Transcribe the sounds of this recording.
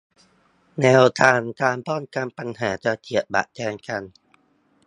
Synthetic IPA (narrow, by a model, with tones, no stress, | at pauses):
nɛː˧wt̪ʰaː˧nt̪aː˧mpɔː˥˩nka˧mpa˧nɦaː˩˦t͡ɕa˧˩kʰi˨˩ət̪̚ba̰˨ʔt̪ʰɛː˧ŋka˧n